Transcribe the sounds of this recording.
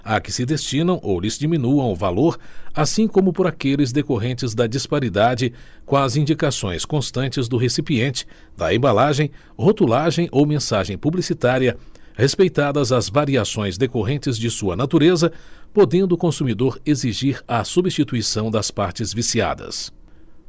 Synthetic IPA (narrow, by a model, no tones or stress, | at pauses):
akɪsɪd̪est͡ʃĩnɐ̃w̃ʔolɪzd͡ʒimĩnuɐ̃w̃ʊva̰loɾasĩkõmʊpoɾakelɪzd̪ekoɦẽnt͡ʃɪzd̪ɐd͡ʒispaɾid̪ad͡ʒɪ | kõɐzĩnd͡ʒikasõ̰j̃skõst̪ɐ̃nt͡ʃɪzd̪ʊɦesipiẽnt͡ʃɪ̥ | d̪̥ɐ̰ḛ̃balaʒẽj̃ | hot̪ulaʒẽj̃ʔowmẽsaʒẽj̃publisit̪aɾiɐhespejt̪ad̪ɐzɐzvaɾiasõj̃zd̪ekoɦẽnt͡ʃɪzd͡ʒɪsuɐnat̪uɾezɐpod̪ẽnd̪ʊːkõsumid̪oɾeziʒiɾɐsubist͡ʃit̪uisɐ̃w̃d̪ɐspaɾt͡ʃɪzvisia̰d̪ɐ̰s